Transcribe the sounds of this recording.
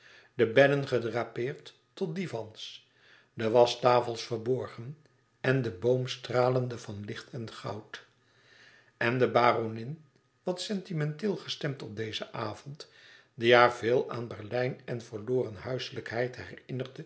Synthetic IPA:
dəbɛlənχədraːpɪːrtː | ɔt̚divɑns | dəʋɑstaːfəlˠsfərbɔɹχən | ɛndəbowmstraːləndəvɑnlɪχtʰɛnχɑ̰wt | ʔɛndəbaːronɪn | ʋɑtsɛntimɛntɪːlˠχəstɛmtɔb̚dejzəʔaːv̥ɔnt | diɦaːɹvɪːlˠa̰ːnbɛrlɛjnɛnvəɹloːrənɦœɥsələkɦɛjtɦɛrɪnərdə

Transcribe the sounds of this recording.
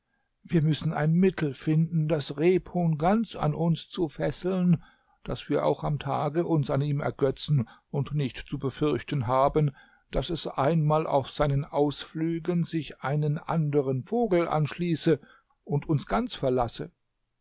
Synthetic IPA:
viːɐmʏsn̩a̰ɪnmɪtʰl̩fɪndn̩dasʁeːphoːnɡant͡sa̰nʔʊnst͡sufɛsl̩n | d̥a̰sv̥iːɐʔa̰ʊxamtʰa̰ːɡəʔʊnsaniːmɛ̰ɐɡœt͡sn̩ʊntnɪçtt͡subəfʏɐçtən̩ɦaːbən | d̥asɛsʔaɪnmaːlʔa̰ʊfz̥aɪnənʔaʊsflyːɡənzɪçʔaɪnənʔa̰ndəʁ̞ənfoːɡl̩ʔa̰nʃliːsə | ʔʊntʰʊnsɡ̥ant͡sfɛɐlasə̰

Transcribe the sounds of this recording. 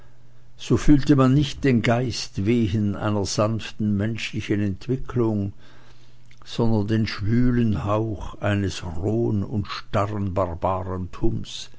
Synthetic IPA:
z̥oːfyːltəmanːɪçt̚d̥eːnɡaɪstv̥eːɦənʔa̰ɪnɐz̥anftn̩mɛnʃlɪçənɛntv̥ɪkʰlʊŋ | z̥ɔndɐndeːnʃv̥yːlənhaʊxʔaɪnəsʁoːənʊ̰ntʃtaʁənbaʁbaːʁəntʰʊms

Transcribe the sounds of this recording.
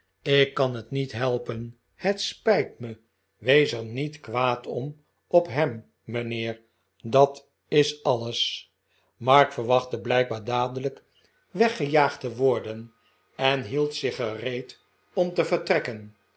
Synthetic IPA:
ɪkːɑnɦətnitɦɛlˠpən | hətspɛjtmə | ʋejsəɹnitkʋaːtʰɔm | ɔpɦɛmː | ənɪːɹ | dɑt | ɪsɑləs | mɑɹkfəɹʋɑχtəblɛjk̚baːɹdaːdələk | ʋɛχəjaːχtəʋʊɹdən | ɛnɦilˠtsɪχərejt | ɔmtəvəɹtrɛkən

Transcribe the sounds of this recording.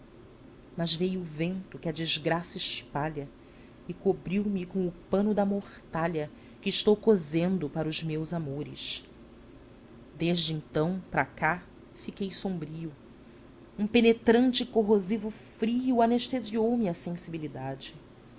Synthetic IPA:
mɐzvejʊːvẽnt̪ʊkɪɐd͡ʒizɡɾasɐɪʃpaʎɐ | ɪkobɾiwmɪkõw̃ʊpɐ̃nʊd̪ɐmoχt̪aʎɐ | kɪːʃt̪owkozẽnd̪ʊpaɾɐʊzmewzamoɾɪʃ | d̪eʒd͡ʒɪẽnt̪ɐ̃w̃pɾɐka | fikejsõbɾiʊ | ũpenet̪ɾɐ̃nt͡ʃɪkoɦozivʊfɾiʊaneʃt̪eziowmɪɐsẽsibilid̪ad͡ʒɪ

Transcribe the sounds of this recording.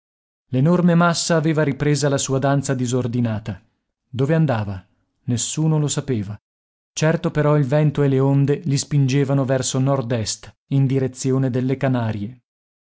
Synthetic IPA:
lenormemasːaːveːvaɾipɾeːzalasuːad̪ant̪sad̪izord̪inaːt̪a | d̪oːveand̪aːva | nesːuːnolosapeːva | t͡ʃɛrt̪opeɾɔilvɛnt̪oeleond̪elispind͡ʒeːvanovɛrsonɔrd̪ɛst̪ | ind̪iɾet̪sːjoːned̪elːekanaːɾje

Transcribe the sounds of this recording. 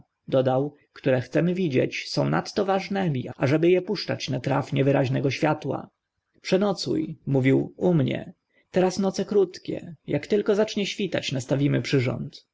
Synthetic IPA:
d̪ɔd̪aw | kt̪uɾɛxt̪sɛmɘvʲid͡ʑɛ̰t͡ɕsɔ̃w̃na̰t̪ːɔvaʐnɛmʲiaʐɛbɘjɛpuʂt͡ʂat͡ɕnat̪ɾafɲɛvɘɾaʑnɛɡɔɕfʲjat̪wa̰ | pʂɛnɔt̪sṵjmuvʲiwumɲɛ̰ | t̪ɛɾasnɔt̪sɛkɾut̪kʲɛ̰jakt̪ɘlkɔzat͡ʂɲɛɕfʲit̪a̰t͡ɕnast̪avʲimɘpʂɘʐɔ̰nt̪

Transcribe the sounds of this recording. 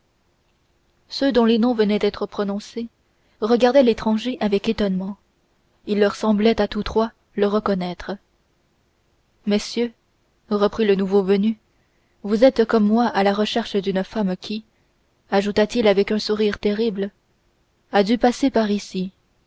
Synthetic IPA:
sød̪ɔ̃lenɔ̃vənɛd̪ɛt̪χəpχɔnɔ̃se | ʁəɡaʁd̪ɛlet̪χɑ̃ʒeʔavɛket̪ɔnmɑ̃ | ilːœʁsɑ̃blɛt̪at̪ut̪χwa | ləʁəkɔnɛt̪χə | mesjø | ʁəpχilənuvovəny | vuzɛt̪kɔmːwaʔalaʁəʃɛʁʃəd̪ynfamkʲʰi | aʒut̪at̪ilavɛkœ̃suʁiʁt̪eʁibl | ad̪ypasepaʁisi

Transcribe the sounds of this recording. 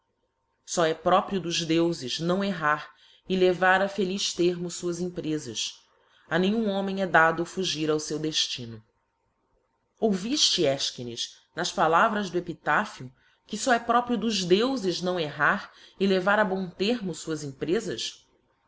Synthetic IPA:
sɔɛpɾɔpɾiʊd̪ʊzd̪ewzɪznɐ̃w̃eɦaɾ | ɪlevaɾɐfeliʃt̪eɾmʊsuɐzĩmpɾezɐ̰s | anẽɲ̃ũõmẽj̃ɛd̪ad̪ʊfuʒiɾawsewd̪eʃt͡ʃĩnʊ | owviʃt͡ʃɪɛʃkinḭʃ | nɐʃpalavɾɐzd̪ʊepit̪afiʊ | kɪsɔɛpɾɔpɾiʊd̪ʊʒd̪ewzɪʒnɐ̃w̃eɦaɾɪlevaɾɐbõt̪eɦmʊsuɐzĩpɾezɐs

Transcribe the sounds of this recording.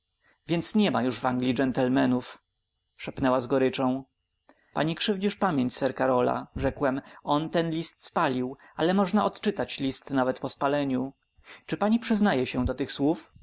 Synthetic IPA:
vʲjɛnt̪sɲɛmajuʐvaŋɡlʲid͡ʐɛnt̪ɛlmɛnuf | ʂɛpnɛwazɡɔɾɘt͡ʂɔ̃w̃ | pa̰ɲikʂɘvd͡ʑiʂpamʲjeɲt͡ɕsɛɾkaɾɔla̰ʐɛkwɛmʔɔnt̪ɛnlʲist̪spalʲiwʔalɛmɔʐnaʔɔt̪t͡ʂɘt̪at͡ɕlʲist̪navɛt̪pɔspalɛɲu | t͡ʂɘpaɲipʂɘznajɛɕɛ̃d̪ɔt̪ɘxswuf

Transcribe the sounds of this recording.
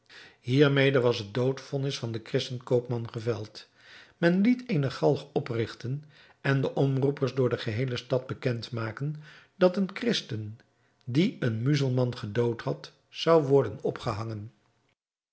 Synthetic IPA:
ɦiːɹmejdəʋɑsɦət̚dowtfɔnɪsfɑndəkrɪstənkowpmɑnχəvɛlˠt | mɛnlitʰejnəχɑlˠfɔprɪχtən | ʔɛndəʔɔmrupəɹzdʊːɹdəχəɦejləstɑd̚bəkɛntmaːkən | d̥ɑtənkrɪstən | diənmyzəl̩ˠmɑnχədowthɑt | sɑwʋɔɹdənɔpχəɦɑŋən

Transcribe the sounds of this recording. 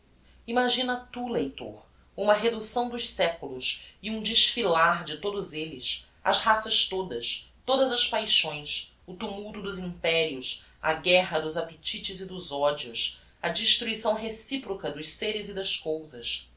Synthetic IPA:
imaʒĩnɐt̪ulejt̪o̰ɾ | ũmɐɦed̪usɐ̃w̃d̪ʊʃsɛkulʊsiũd͡ʒɪʃfilaɾd͡ʒɪt̪od̪ʊzelɪs | ɐ̰zhasɐʃt̪od̪ɐst̪od̪ɐzɐspajʃõj̃s | ʊt̪umuwt̪ʊd̪ʊzĩmpɛɾiʊs | ɐ̰ɡɛɦɐd̪ʊzapet͡ʃit͡ʃɪzid̪ʊzɔd͡ʒiʊs | ɐd͡ʒiʃt̪ɾuisɐ̃w̃ɦesipɾɔkɐd̪ʊʃseɾɪzid̪ɐskowzɐs

